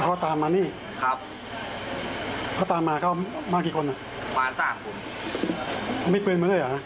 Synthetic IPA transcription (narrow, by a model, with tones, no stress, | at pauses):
kʰɔː˦˥˩t̪aː˧mːaː˧˦niː˥˩ | kʰa˦˥p̚ | kʰɔː˧˥˩t̪aː˧mːaː˧kʰa˦˥˩wmaː˥˩kːiː˨˩kʰo˧nʔa˨˩ | waː˨˦nsaː˧˩mku˧˩n | a˧˩ma˥˩pɯː˧nm˧˥lɤː˧˨ja˨a˦˥